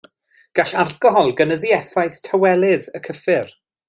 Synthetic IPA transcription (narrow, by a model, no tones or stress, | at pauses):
ɡ̥aɬarkɔɦɔlˠɡənəðiɛθajθtʰəwɛlˠɪðəkʰəfɪr